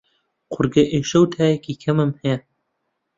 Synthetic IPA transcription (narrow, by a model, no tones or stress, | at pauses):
qʰʊɾɡɐʔeːʃɐwt̪ʰaːjɛkiːkʰɐmɨmhɛjɛ